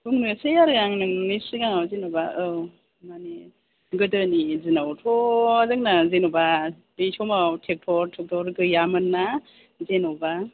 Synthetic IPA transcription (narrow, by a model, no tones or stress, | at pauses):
buŋnɯsejaɾɯjaŋnɯŋnisɯɡaŋawzenɔbaɯ | mane | ɡɯdɯnizinawtʰɔzɯŋnazenɔba | bisɔmawtʰek̚tʰɔɾtʰek̚tʰɔɾɡɯjamɯnːa | zenɔba